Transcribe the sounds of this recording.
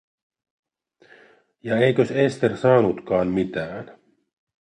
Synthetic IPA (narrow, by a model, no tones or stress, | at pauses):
jɑejkøsest̪ersɑːnut̪kɑːnmit̪æːn